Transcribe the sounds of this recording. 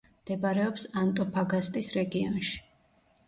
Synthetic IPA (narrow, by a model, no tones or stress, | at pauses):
md̪̥ɛbaɾɛɔpsant̪ʼɔpʰaɡast̪ʼisɾɛɡiɔnʃi̥